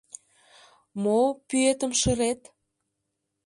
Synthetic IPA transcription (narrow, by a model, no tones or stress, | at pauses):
mopyet̪ə̆mʃə̆ɾet̪